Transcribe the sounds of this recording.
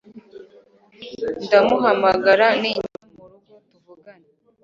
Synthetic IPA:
ndamuɦamaɡaɾaniɲiumuɾuutuvuɡana

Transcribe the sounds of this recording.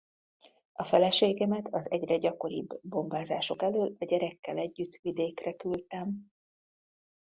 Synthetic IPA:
ɒfɛlɛʃeːɡɛmɛt̪ʰɒzɛɟrɛɟɒko̞ɾḭbːo̞mbaːzaːʃo̞kɛløːlɒɟɛɾɛkːɛlɛɟːyt̪ʋid̪eːkrɛkylt̪ɛm

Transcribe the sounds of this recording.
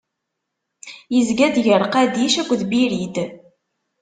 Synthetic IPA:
jəzɡæd̪ʝəɾˤqæd̪iʃækʷːðbiɾid̪

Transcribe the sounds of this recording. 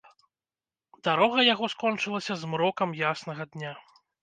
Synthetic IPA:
d̪aɾɔɣɐjaɣɔskɔnt͡ʂɨlˠɐsʲɐzmɾɔkɐmjasnɐɣɐd̪nʲa

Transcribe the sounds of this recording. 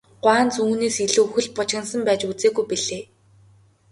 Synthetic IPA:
ɢ̥waːnt͡suŋːxneːsxiɮɘ̆uxɘ̆ɮpʊt͡ɕxə̆nsə̆mpæːt͡ɕut͡seːɣujpiɮeː

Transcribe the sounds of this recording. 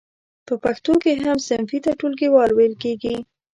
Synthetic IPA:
pəpaxt̪okeɦamsɪnfit̪aʈulɡewɑlwelkeɡi

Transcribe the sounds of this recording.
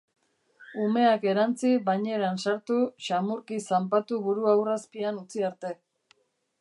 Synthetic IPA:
ume̞ake̞ɾant͡siβajɲe̞ɾansaɾt̪uʃamuɾkisampat̪uβuɾuawraspianut͡siaɾt̪e̞

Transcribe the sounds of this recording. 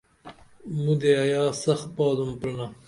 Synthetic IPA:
mud̪eɐjɑːsɐxt̪̚paːd̪umplna

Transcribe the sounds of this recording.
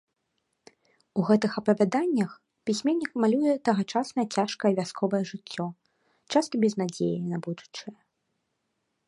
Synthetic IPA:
uɣɛt̪ɨxɐpɐvʲad̪anʲːɐx | pʲisʲmʲenʲːikmalʲujɛt̪ɐɣɐt͡ʂasnɐjɛt͡sʲaʂkɐjɛvʲaskɔvɐjɛʐɨt͡sʲːɔ | t͡ʂast̪ɐbʲɛznad͡zʲḛjinɐbud̪ut͡ʂɐjɐ

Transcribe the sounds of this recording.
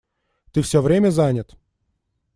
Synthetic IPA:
t̪ɨfsʲɔvɾʲemʲəzanʲət̪

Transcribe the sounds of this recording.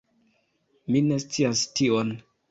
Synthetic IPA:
mine̞st͡siastion

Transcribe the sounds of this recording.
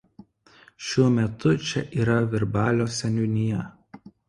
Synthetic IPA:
ʃʲuɔmʲɛt̪ʰʊt͡ʃʲɛʔiːɾɐʋʲɪɾbɑːlʲoːsʲɛnʲʊnʲɪjɛ

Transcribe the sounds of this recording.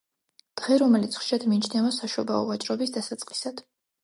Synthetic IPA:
d̪̥ʁɛɾɔmɛlit̪sʰχʃiad̪miːt͡ʃʰnɛvasaʃɔbaɔvat͡ʃʼɾɔbisd̪asat̪sʼqʼi̥sad̪̥

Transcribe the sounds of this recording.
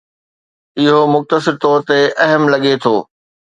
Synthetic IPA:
ɪɦomʊxt̪əsɪɾt̪ɔːɾt̪eʔɐɦəmlɐɠet̪ʰoː

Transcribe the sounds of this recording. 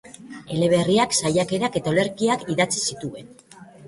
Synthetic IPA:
e̞le̞βe̞riaksajake̞ɾake̞t̪aole̞ɾkiakiðat͡sisit̪ue̞n

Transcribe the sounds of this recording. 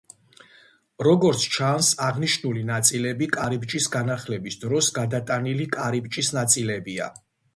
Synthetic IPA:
ɾɔɡɔɾt̪sʰt͡ʃʰansaʁniʃnulinat̪sʼilɛbikʼaɾibt͡ʃʼisɡanaχlɛbisd̪ɾɔsɡad̪at̪ʼanilikʼaɾibt͡ʃʼisnat̪sʼilɛbia̰

